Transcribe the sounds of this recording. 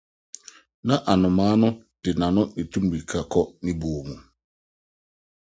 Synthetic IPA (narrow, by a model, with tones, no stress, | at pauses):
na˦ʔa˨nʊ˨ma˦nʊ˦ | d̥ɪ˨na˨nʊ˦ne˨tu˦m̩˦bi˨kʰa˨kɔ˦ni˦bu˨mu˨